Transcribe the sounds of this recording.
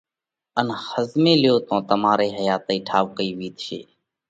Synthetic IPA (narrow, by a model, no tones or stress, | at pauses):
ənhəzmẽːlɪjoːt̪õːt̪əmaːɾeːɦəjaːt̪iːʈʰaːʋkəiːʋiːt̪ʃḛː